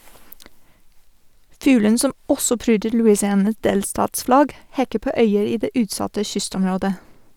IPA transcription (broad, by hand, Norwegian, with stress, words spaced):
ˈfʉːlən ˈsɔm ˈɔsɔ ˈpɾyːdəɾ lʉɪsɪˈɑːnɑs ˈdeːlstɑːtsˌflɑɡ ˈhɛkə ˈpoː ˈœʏəɾ ˈiː ˈdeː ˈʉːtˌsɑtə ˈçʏstɔmˌɾoːdə